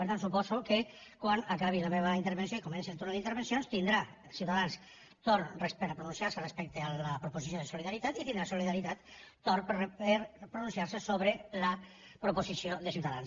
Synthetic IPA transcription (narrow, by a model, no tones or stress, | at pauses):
peɾt̪ansupɔzukekwanakaβ̞ilameβɐint̪eɾβensjoikomɛ̃nsielˠt̪uɾnaðint̪eɾβensjonst̪ind̪ɾa | siwt̪aðans | t̪oɾnrespeɾpɾunũnsiaɾserespɛk̚t̪ealapɾoposisjoð̞esuliðaɾit̪at̪it̪ind̪ɾasuliðaɾit̪at̪ː | oɾppeɾpɾunũnsiaɾsesoβɾela | pɾoposisioðesiwt̪aða̰ns